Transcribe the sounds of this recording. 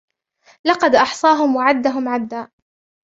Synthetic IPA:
lɑqɑd̪ʔɑħsˤɑːɦʊmwaʕad̪ːaɦʊmʕad̪ːaː

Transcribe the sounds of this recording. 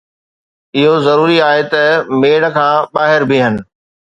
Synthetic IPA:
ɪɦozɐɾuːɾiaːɦet̪ɐmeːɽə̆kʰãːɓaːɦɪɾbʱɪɦənɪ̆

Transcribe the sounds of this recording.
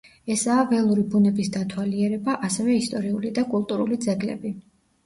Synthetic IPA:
ɛsaːvɛlˠuɾibunɛbisd̪at̪ʰwaliɛɾɛbaʔasɛvɛist̪ʼɔɾiulid̪akʼulˠt̪ʼuɾulid̪zɛɡlɛ̰bi

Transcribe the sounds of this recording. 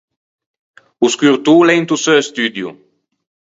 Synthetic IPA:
uskyɾt̪ulɛjnt̪usøest̪yd̪jṵ

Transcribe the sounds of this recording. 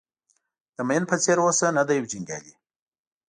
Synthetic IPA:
d̪̥əmajənpət͡seɾwosənad̪ajwd͡ʒiŋɡjɑ̰li

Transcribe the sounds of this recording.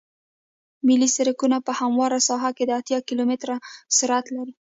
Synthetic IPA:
milisaɾəkunapəhamwɑɾasɑɦaked̪əat̪jɑkilomɪt̪ɾasɪɾat̪laɾi

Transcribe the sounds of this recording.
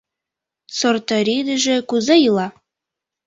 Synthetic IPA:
sort̪ɤɾid̪ə̆ʒĕkuzɑjɯlɑ

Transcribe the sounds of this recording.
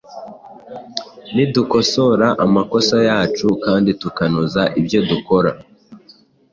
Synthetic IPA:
niduko̞so̞ɾaʔamako̞sajaːt͡ʃukaːnditukanuzaʔibjo̞duko̞ɾa

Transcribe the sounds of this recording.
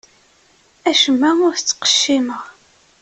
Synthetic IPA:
æʃəmːæʊɾθt͡sːqə̥ʃːiməʁ

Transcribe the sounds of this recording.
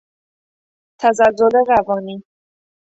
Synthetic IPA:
t̪ʰæzalːoleɾavɒːni

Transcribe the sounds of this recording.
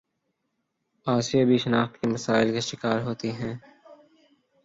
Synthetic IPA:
aːʃijabʱiʃɐnaːxt̪kemɐsaːɪlkaʃɪkaːɾɦoːt̪iɦɛ̃ː

